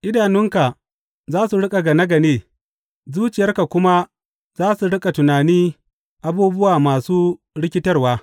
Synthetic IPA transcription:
ʔɪ˦daː˨nɪ˦ŋka˨ | zaː˦su˨ɽʊ˦kʼa˨ɡa˨nɐ˦ɡɐ˨neː˦˨ | zuː˦t͡ʃɪ˨jɐ˦rka˨kʷʊ˦ma˦ | zaː˦su˨ɽʊ˦kʼa˨tʊ˨naː˨niː˦ | ʔa˦buː˦bʊ˦waː˨maː˨suː˦ | ɽɪ˦kʲɪ˦tɐ˦rwaː˦

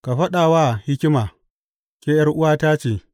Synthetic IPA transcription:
ka˨ɸɐ˦ɗaː˨waː˦˨hɪ˦kʲɪ˦maː˨ | kʲeː˦jɐ˦rʔʊ˦waː˦taː˦t͡ʃeː˨

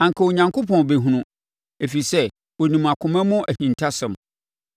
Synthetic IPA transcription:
ã˨ŋkʰa˨o˨ɲã˨ŋkʰo˦pʰɔ̃˨be˨ɦũ˨nʊ̃˨ | e˨fi˨sɛ˦ | wo˨nĩ˨ma˨kʰʊ̃˨mɛ̃˦mʊ̃˦ʔæ˨hĩ˨ntʰa˦sɛ̃˨m

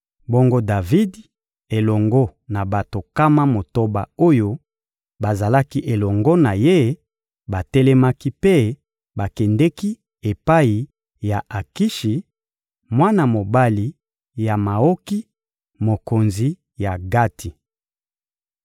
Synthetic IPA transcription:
bo˦ŋɡo˦da˨vi˦d | e˨lɔ˨ŋɡɔ˦na˨ba˨to˨ka˦ma˦mo˨to˦ba̰˨o˦jo˦ | ba˨za˨la˦ki˦ʔe˨lɔ˨ŋɡɔ˦na˨je˦ | ba˨tɛ˦lɛ˦ma˦ki˦pe˦ | ba˨kɛ˨ndɛ˦ki˦ | e˨pa˦i˨ | ja˨ʔa˨ki˦ʃi˨ | mwa˦na˨mo˨ba˦li˨ | ja˨ma˨o˦ki˦ | mo˨ko˨nzi˦ | ja˨ɡa˦tʰi˨

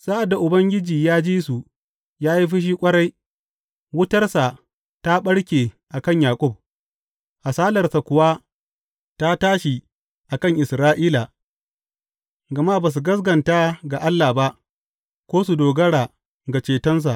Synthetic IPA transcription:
sa˦ʔa˨dːa˨ʔʊ˨bɐ˦ŋɡʲɪ˦d͡ʒiː˨jaː˦d͡ʒiː˦su˨ | jaː˦ji˦ɸɪ˦ʃ̬iː˦kʷʼɐ˦ɽa˦j | wʊ˦tɐ˦rsa˨ | ta˦ɓɐ˦ɽkʲeː˨ | ʔa˨kɐ˦˨ɲjaː˨kʷʼʊ˦˨b̚ | ha˨saː˦lɐ˨rsa˨kʷʊ˨wa˦ | ta˦taː˦ʃi˨ | ʔa˨kɐ˦˨ŋʔɪ˨sɾaː˦ʔiː˦la˨ | ɡɐ˨ma˦baː˨s̬u˨ɡɐ˦s̬ɡɐ˨nta˦ɡa˨ʔa˦lːa˨ba˦ʔ | kʷoː˦su˨doː˨ɡɐ˦ɽaː˨ | ɡa˨t͡ʃeː˨tɐ˦ns̬a˨ʔ

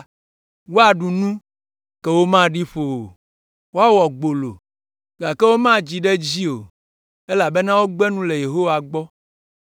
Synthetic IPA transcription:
wo˦a˨ɖu˨nũ˦ | kɛ˨wo˦mã˦ɖi˦ɸo˨o˨ | wo˦a˦wɔ˨ɡ͡bo˨lo˨ | ɡa˨kɛ˦wo˦mã˦d͡ʑi˨ɖe˦d͡ʑi˦o˨ | e˦la˨be˦nã˦wo˦ɡ͡bɛ˦nũ˦le˨je˨ɦo˦wa˨ɡ͡bɔ˦

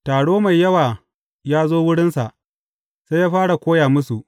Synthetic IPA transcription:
taː˨ɽoː˦ma˨jːɐ˦waː˨ | jaː˦zoː˦wʊ˦ɽɪ˦nsa̰˨ʔ | sa˦jaː˦ɸaː˦ɽa˨kʷoː˦jaː˨mʊ˦su˨ʔ

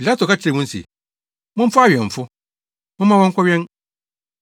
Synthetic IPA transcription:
pi˨la˦tʰo˨ka˦t͡ɕʰɪ˦ɾɛ˨mʊ̃˦n̩˦sḭ˨ | mʊ̃˦m̩˦fʊ˦a˦ɥɛ˨ɱ̩˨fʊ˦ | mʊ̃˦mã˦wɔ̃˦ŋ˦kʷʰɔ˦ɥᶣɛ̃˦n

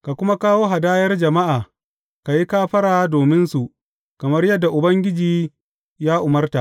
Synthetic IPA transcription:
ka˨kʷʊ˦ma˦kaː˦woː˦ɦa˨daː˦jɐ˦rd͡ʒɐ˨ma˦ʔaː˨ | ka˨ji˦kaː˦ɸɐ˦ɽaː˨doː˨mɪ˦nsu˨ʔ | kɐ˨mɐ˦rjɐ˦dːa˨ʔʊ˨bɐ˦ŋɡʲɪ˦d͡ʒiː˨ | jaː˦ʔʊ˨mɐ˦rta̰˨ʔ

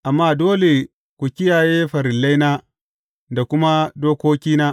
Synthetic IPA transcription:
ʔa˨mːaː˦doː˦le˨ | kʷu˨kʲɪ˦jaː˨jeː˦ɸɐ˨ɾɪ˨lːa˦jnaː˦ | da˨kʷʊ˦ma˦doː˦kʷoː˦kʲiː˦naː˦

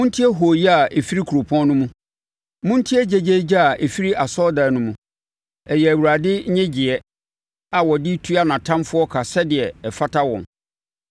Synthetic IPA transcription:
mũ˦n˦tʰi˦ɛ˦ɦo˨jɛ˦a˨ʔe˨fi˦ɾi˦kʰu˨ɾo˨pʰɔ̃˦nʊ̃˦mũ˦ | mũ˦n˦tʰi˦ɛ˦d͡ʑɛ˨d͡ʑe˦d͡ʑa˦a˨ʔe˨fi˦ɾi˦a˨sɔ˦da˨nʊ̃˦mũ˦ | ɛ˨jɛ˨æ˨wu˨ɾa˨dɪ˦ɲɛ̃˦d͡ʑɪ˨ɛ˨ | a˨wɔ˨di˦tʰu˦a˦nã˨tʰã˦mfʊ˦ɔ˦kʰa˨sɛ˦dɪ˨ɛ˨ɛ˨fa˦tʰa˦wɔ̰̃˨n

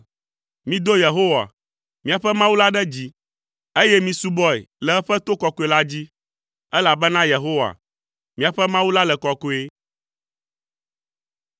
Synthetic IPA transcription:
mĩ˦d̪o˦je˨ɦo˦wa̰˨ | mĩ˦a˨ɸɛ˦mã˦wu˦la˦ɖɛ˦d͡ʑi˦ | e˦jɛ˦mĩ˨su˦bɔ˦ḛ˨lɛ˨ɛ˦ɸɛ˦t̪o˦kɔ˨ko˦e˦la˦d͡ʑi˦ | ɛ˦la˨bɛ˦nã˦je˨ɦo˦wa̰˨ | mĩ˦a˨ɸɛ˦mã˦wu˦la˦lɛ˨kɔ˨ko˦e˦

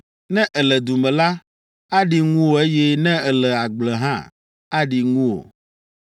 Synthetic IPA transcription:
nɛ̃˦ʔɛ˨lɛ˨d̪u˨mɛ̃˨la˦ | a˦ɖi˨ŋũ˦wo˨e˦jɛ˦nɛ̃˦ɛ˨lɛ˨a˨ɡ͡blɛ˨ɦã˦ | a˦ɖi˨ŋũ˦wo̰˨

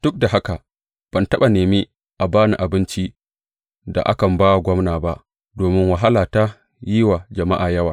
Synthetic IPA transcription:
d̥ʊ˦k̚da˨ɦa˦ka˨ | b̥ɐ˨ntɐ˦ɓa˨neː˨miː˦ | ʔa˨baː˦ni˨ʔa˨bɪ˦nt͡ʃi˦ | da̰˨ʔa̰˦kɐ˨mbaː˦wa˨ɡʷɔ˦mnaː˨ba˦ʔ | doː˨mɪ˦nwa˨ɦa˦laː˨ta˦ | jiː˦wa˨d͡ʒɐ˨ma̰˦ʔaː˨jɐ˦waː˨

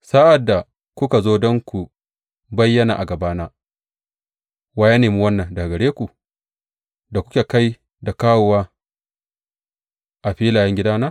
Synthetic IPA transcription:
sa˦ʔa˨dːa˨ | kʷʊ˦ka˨zoː˦dɔ˦ŋkʷu˨ | bɐ˦jːɐ˦na̰˨ʔa˨ɡɐ˨baː˦naː˦ | waː˦ja˦neː˨mi˦wɐ˦nːɐ˨nda˨ɡɐ˨ɽeː˦kʷu˨ | da˨kʷʊ̥˦kʲe˨ka˦j | da˨kaː˦wo˨waː˦ | ʔa˨ɸiː˦laː˨jɐ˦ŋɡʲɪ˦daː˦naː˦

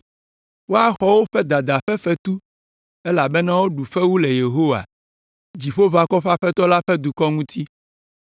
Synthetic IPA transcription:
wo˦a˦xɔ˦wo˦ɸɛ˦d̪a˨d̪a˨ɸɛ˦fɛ˦t̪u˦ | ɛ˦la˨bɛ˦nã˦wo˦ɖu˨ɸɛ˦wu˦le˨je˨ɦo˦wa̰˨ | d͡ʑi˨ɸo˦va˨kɔ˦ɸa˦ɸɛ˦t̪ɔ˦la˦ɸɛ˦d̪u˨kɔ˦ŋũ˦t̪i˦

